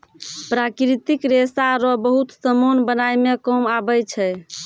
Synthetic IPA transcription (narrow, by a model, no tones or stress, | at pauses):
pɾakɾit̪ikɾesaɾɔbəɦut̪səmonbənajmekɔmabət͡ʃʰɛ